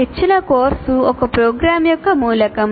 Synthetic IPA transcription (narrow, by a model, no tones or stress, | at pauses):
it͡ʃːinɐkoːɾsuɔkɐpɾoːɡɾaːmjɔkːɐmuːlɐkɐm